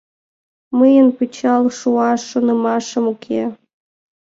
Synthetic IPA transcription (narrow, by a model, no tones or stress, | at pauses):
məjənpɨt͡ɕɑlˠʃuɑʃonɤmɑʃɤ̆mukʲʰe